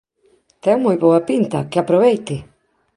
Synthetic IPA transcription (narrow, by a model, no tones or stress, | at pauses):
t̪ɛmːujbɔwapint̪a̰keapːɾoβejt̪ɪ